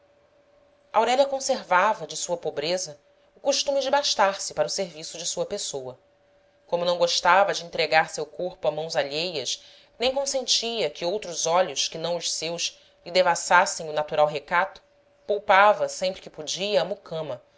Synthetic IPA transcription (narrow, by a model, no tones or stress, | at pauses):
ʔawɾɛʎʲjɐkõseɾvavɐd͡ʒɪsuɐpobɾezɐ | ʊkuʃt̪ũmɪd͡ʒɪbaʃt̪aɾsɪpaɾɐʊseɾvisʊd͡ʒɪsuɐpesowɐ | kõmʊnɐ̃w̃ɡoʃt̪avɐd͡ʒɪĩnt̪ɾeɡaɾsewkoɾpʊamɐ̃w̃zaʎejɐs | nẽj̃kõsẽnt͡ʃiɐkɪowt̪ɾʊzɔʎʊʃkɪnɐ̃w̃ʊʃsewʃ | ɪd̪evasasẽj̃ʊnat̪uɾawɦekat̪ʊ̥ | powpavɐsẽmpɾɪkɪpod͡ʒiɐːmukʰɐ̃mɐ